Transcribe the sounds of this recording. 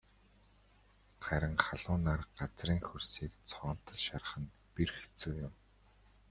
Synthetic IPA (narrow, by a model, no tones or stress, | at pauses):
χæɾʲə̆ŋχaɮʊːnaːrɢat͡sriːŋxɵrsiːkt͡sʰɔːn̥t̪ə̆ɮʃar̆χə̆n | pirxt͡suːjʊm